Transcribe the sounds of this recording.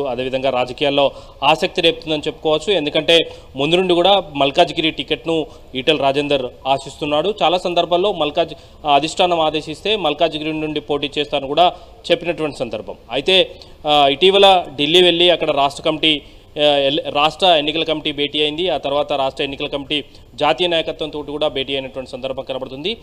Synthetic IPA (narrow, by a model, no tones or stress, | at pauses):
uɐd̪e̞ːʋid̪ʱɐŋɡaːɾaːd͡ʒɐkijaːlːo̞ː | aːsɐk̚t̪ileːp̚ut̪und̪ɐnit͡ʃe̞pːu̥kɔːʋɐt͡ʃːue̞nd̪ukɐɳʈe̞ː | mund̪unuɳɖikuːɽaːmɐlkaːd͡ʒɡiɾiʈikeʈnu | iːʈelɾaːd͡ʒeːnd̪ɾɐɾaːsist̪unːaːɽut͡ʃaːlaːsɐnd̪ɐɾbʱaːllo̞ːmɐlkaːd͡ʒ | ɐd̪ʱiʂʈʰaːnɐmaːd̪e̞ːʃist̪e̞ːmɐlkaːd͡ʒɡɾinuɳɖipo̞ːʈ̬iːt͡ʃɛːst̪aːɐnukuːɽaː | t͡ʃepːinɐʈuʋɐɳʈi̥sɐnd̪ɐɾbʱɐ̰mɐjit̪e̞ː | iʈiːʋɐlɐɖilːiːʋe̞ɭːiɐkːɐɽɐɾaːʂʈɾɐkɐmiʈi | ɾaːʂʈɾɐe̞nːikɐlɐkɐmiʈiːbʱe̞ːʈiːɐjind̪iaːt̪ɐɾuʋaːt̪ɐɾaːʂʈɾɐe̞nːikɐlɐkɐmiʈiː | d͡ʒaːt̪iːjɐnaːjɐkɐt̪ʋɐnt̪o̞ːʈikuːɽaːbe̞ːʈiːɐjinɐʈuʋɐɳʈisɐnd̪ɐɾbʱɐmkɐlɐbɐɽut̪und̪i